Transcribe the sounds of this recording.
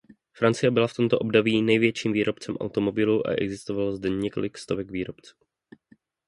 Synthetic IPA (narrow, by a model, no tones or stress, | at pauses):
fɾant͡sɪjɛbɪlaft̪o̞mt̪oʔo̞bdoviːnɛjvjɛt͡ʃiːmviːɾʔo̞pt͡sɛmʔa̰wt̪o̞mo̞bɪluʔa̰ʔɛ̰ɡzɪst̪ovalozdɛɲɛko̞lɪkst̪ovɛɡviːɾo̞pt͡su̥ː